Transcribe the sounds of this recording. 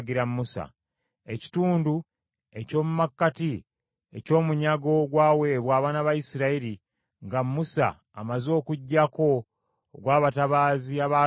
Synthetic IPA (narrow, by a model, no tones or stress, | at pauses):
ɡiɾammːusa̰ | e̞ci̥tuːndu | e̞co̞ːmumakːati | e̞̰co̞ːmuɲaɡo̞ɡwaːwe̞βwaːβaːnaβajisiɾaiɾi | ŋɡamːusa̰ː | mazo̞ːkuɟːako̞ | ɡwaːβataβaːziaβaː